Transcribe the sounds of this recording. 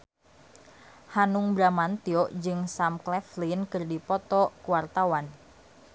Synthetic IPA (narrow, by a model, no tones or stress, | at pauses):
hanuŋbɾamant̪iɔʔd͡ʒɨŋsamklɛflinkɨrdipɔt̪ɔkuwart̪awan